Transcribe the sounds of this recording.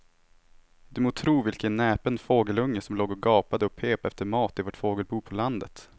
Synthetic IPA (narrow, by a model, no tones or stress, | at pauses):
d̪ɵmoːt̪ʰɾuːvɪlkənːɛːpənfoːɡəlɵŋːəsɔmloːɡɔɡɑːpad̪əɔpʰeːpɛft̪əɾmɑːt̪ɪvoːʈfoːɡəlbuːpʰɔland̪ə̰t̪